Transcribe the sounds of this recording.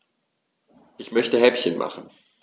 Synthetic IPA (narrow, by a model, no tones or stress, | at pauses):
ʔɪçmœçtəɦɛpçənmʔa̰χn̩